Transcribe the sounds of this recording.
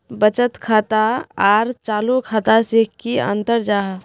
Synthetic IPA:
bət͡ʃət̪kʰaːt̪aaːɾt͡ʃaːlokʰaːt̪asekːiə̰̃nt̪əɾd͡ʒaːɦ

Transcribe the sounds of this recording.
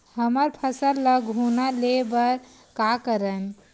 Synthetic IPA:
həməɾpʰəsəɾləɡʱɦunalebəɾ | kakəɾən

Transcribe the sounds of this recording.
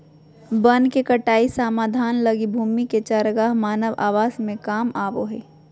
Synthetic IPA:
bənkekəʈaːisaːmaːd̪ʱaːnlɐɡibʱuːmiket͡ʃəɾɡaːɦmaːnəʋa̰ːʋaːzmẽkaːmaːʋoɦɛ̰ː

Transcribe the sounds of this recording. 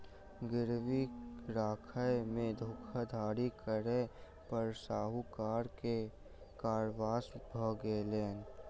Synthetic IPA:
ɡɪɾʋiɾaːkʰajmẽd̪ʱʊːkʰad̪ʱaːɾikəɾe | pəɾsaːɦukaːɾke | kaːɾʋaːsbʱɔɡeːleːn

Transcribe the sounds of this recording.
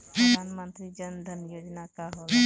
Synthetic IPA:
panmənt̪ɾid͡ʒənd̪ʱənjod͡ʒnakaɦo

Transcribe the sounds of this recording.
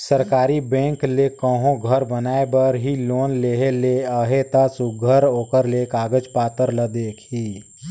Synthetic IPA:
səɾkaːɾibɛ̃ːŋklekə̃ɦõɡʱəɾbənaːebəɾɦiloːnleɦeleəɦet̪asʊɡʱəɾoːkəɾlekaːɡəd͡ʒpaːt̪əɾləd̪eːkʰɦiː

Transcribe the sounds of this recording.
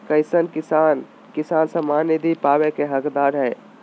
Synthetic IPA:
kəɪsənkisan | kisansəmanid̪ʱipaʋekeɦəkd̪aɾɦɛɪ

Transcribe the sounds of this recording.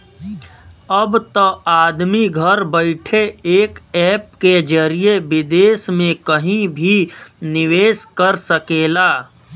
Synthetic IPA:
ɐbt̪əaːd̪miɡʱəɾbəɪʈʰeeːkɛːp̚ked͡ʒəɾijeʋɪd̪eːsmẽkəɦĩbʱinɪʋeːskəɾsəkeːlaː

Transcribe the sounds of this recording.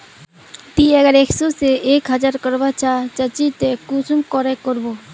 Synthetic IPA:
t̪iɛɡaɾeksoseʔekɦad͡ʑaɾkɔɾbat͡ɕʰat͡ɕat͡ɕit̪ekusuŋkɔɾekoɾbo

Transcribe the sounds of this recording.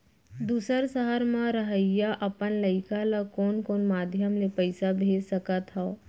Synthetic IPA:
d̪uːsəɾsəɦəɾmãɾəɦəɪjaʔɐpənləɪkalakoːnkoːnmaːd̪ʱjəmlepəɪsabʱeːd͡ʒsəkat̪ʰao

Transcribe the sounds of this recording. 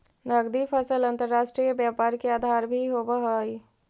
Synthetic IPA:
nəɡd̪ifʰəsəlɐ̃nt̪əɾːaːʃʈɾijebjaːpaːɾkeaːd̪ʱaːɾbʱiɦoːbaɦəi

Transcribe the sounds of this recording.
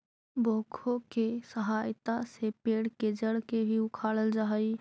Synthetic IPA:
boːkʰokesəɦajt̪asepeːɽked͡ʒəɽkebʱiʊkʰaːɽəld͡ʒaɦəj

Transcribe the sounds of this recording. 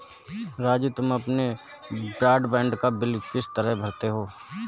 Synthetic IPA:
ɾaːd͡ʒit̪ʊmɐpne | bɾaːɖbɛ̃ːɳɖkabɪlkɪst̪əɾəɦbʱɐɾt̪eɦoː

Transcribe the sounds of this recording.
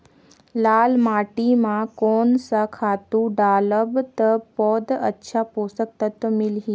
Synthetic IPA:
laːlmaːʈimãkoːnsakʰaːt̪ũɖaːləbt̪əpɔːd̪ə̰tːʃʰapoːsək̚t̪ɐt̪mɪlɦi

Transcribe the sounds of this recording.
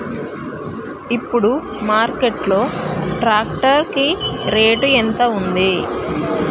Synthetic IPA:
ipːuɽu | maːɾkeʈlo̞ːʈɾaːkʈɐɾkiɾeːʈuent̪ɐund̪i

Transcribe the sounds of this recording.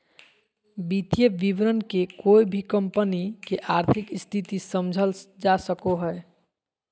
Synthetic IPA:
bit̪jəʋiʋɾənkekoibʱikəmpənikeʔaɾt̪ʰikst̪ʰit̪isəmd͡ʒʱəld͡ʒasəkoɦəe

